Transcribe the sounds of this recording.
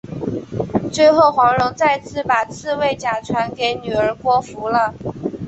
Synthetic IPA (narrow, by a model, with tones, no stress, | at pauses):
t͡swe˥˧ɪxo˥˩ʊxwɑ˧˥ŋɻʊ˧˥ŋt͡sa˥˧ɪt͡sʰɹ̩˥˩pa˨˩t͡sʰɹ̩˥˧we˥˩ɪt͡ɕja˨˩ʈ͡ʂʰwa˧˥nke˧˥ɪny˨˩ə˞˧˥kwɔ˥fu˧˥lə˧